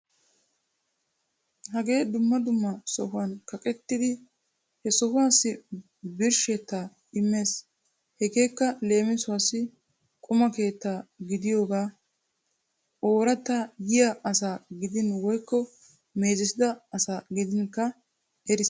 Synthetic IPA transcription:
hɐɡe̞ːd̪ʊmːɐd̪ʊmːɐsɔhʊwɐnkɐkʼɛt̪ːɪd̪ɪ | hɛsɔhʊwaːsːɪ | bɪɾʃet̪ːaː | ɪmːe̞ːs | hɛɡe̞ːkːɐle̞ːmɪsʊwasːɪ | kʼʊmɐke̞ːt̪ːaːɡɪd̪ɪjo̞ːɡaː | ʔo̞ːɾɐt̪ːajɪjɐʔɐsaːɡɪd̪ɪnwɔjkːɔ | me̞ːzɪsɪd̪ɐɐsaːɡɪd̪ɪnkːɐ | ʔɛɾɪs

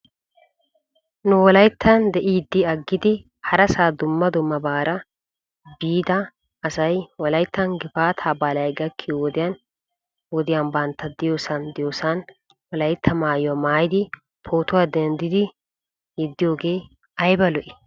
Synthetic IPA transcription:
nʊwɔlɐjt̪ʰːɐnd̪ɛʔiːd̪ːɪɐɡːɪd̪ɪ | hɐɾɐsaːd̪ʊmːɐd̪ʊmːɐbaːɾɐ | biːd̪ɐː | sɐjwɔlɐjt̪ːɐnɡɪfaːt̪ʰaːbaːlɐjɡɐkʰːɪwɔd̪ɪjan | wɔd̪ɪjanbɐnt̪ːɐd̪ɪjoːsɐnd̪ɪjoːsɐn | wɔlɐjt̪ʰːɐmaːjwɐmaːjɪd̪ɪ | pʰo̞ːt̪ʊwaːd̪ɛnd̪ɪd̪ɪ | jɪd̪ːɪjo̞ːɡe̞ː | ɐjbɐlɔʔɪ

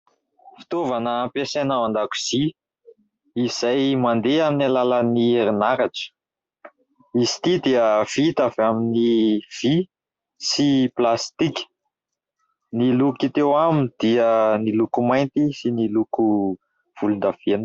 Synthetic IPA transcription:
fi̥t̪ovanəːmpesanaand̪aku̥z̥i | iz̥ajmand̪eaminalalanieɾinaɾaʈ͡ʂə̥ | izi̥t̪id̪ieəv̥it̪avaminiv̥i | siplast̪ikʲə̥ | nilukit̪ewamind̪̥iənilukumajnt̪isiniluku | v̥ulund̪av̥en

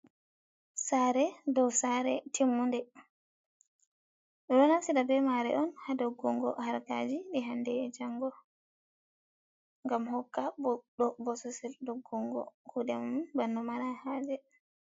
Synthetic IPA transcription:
saɾɛdɔwsaɾɛ̰tʰimːundɛ | ɾɔnasiɗabɛmaɾɛ̰ʔɔnhadɔɡːuŋɡɔ̰haɾka̰d͡ʒiɗiɦandɛd͡ʒaŋɡɔ | ŋɡamhɔkːaɗɔbɔsɔsɛldoɡːuŋɡɔ̰kudɛmbanːɔmaɾahaːd͡ʒɛ

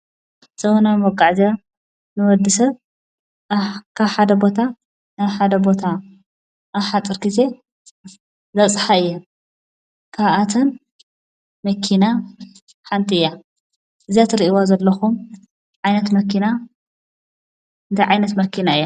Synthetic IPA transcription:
zɐwonɐmɔɡʼaʕzɐ | nɨwɔd̪ːisɐβ | kʰaβħad̪ɐbo̞t̪ʰa | naβħad̪ɐbo̞t̪ʰa | ʔːβħat͡s̪ʼːɨɾkize̞ | zɐt͡sʼħaɨjːɐ | kʰaβʔat̪ʰɐn | mɐkʰːina | ħant̪ʼɨjːa | ʔɨzijat̪ʰɨɾiʔiwazɐlːɐxum | ʕajnɐt̪mɐkʰːina | ɨnd̪ʰɐʕajnɐt̪mɐkʰːinaɨjːa

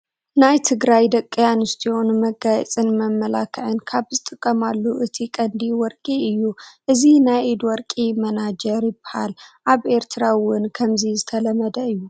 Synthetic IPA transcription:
najt̪ʰɨɡɾajd̪ɐkʼːɨjanɨst̪ʰio̞nmɐɡajɛ̰t͡sʼɨnmɐmːɐla̰kʰɨʕɨnkʰaβzɨt̪ʼɨkʼːɐmalːuʔɨt̪ʰikʼɐnd̪iwɔɾkʼiɨjːuʔɨzinajʔed̪wɔɾkʼimɐnad͡ʒɐɾjɪbɨ̥ha̰lʔaβʔe̞ɾt̪ʰɨɾawʊnkʰɐmzizɨt̪ʰɐlɐmɐd̪ɐɨjːu

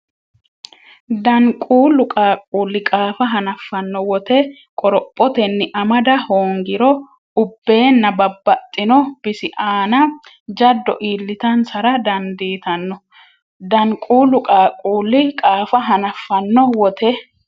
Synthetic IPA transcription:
d̪ɐŋkʼuːlʊkʼaːkʼuːlːɪkʼaːfɐɦɐnɐfːɐnːɔwɔt̪ɛ | kʼɔɾɔpʼːɔt̪ɛnːɪʔɐmɐd̪ɐhoːŋɡɪɾɔ | ʊbːe̞ːnːɐbɐbːɐt̪ʼːɪnɔb̥ɪsɪʔaːnɐ | d͡ʒɐd̪ːɔ̰ʔiːlːɪt̪ɐnsɐɾɐd̪ɐnd̪iːt̪ɐnːɔ | d̪ɐŋkʼuːlʊkʼaːkʼuːlːɪkʼaːfɐɦɐnɐfːɐnːɔwɔt̪ʰɛ

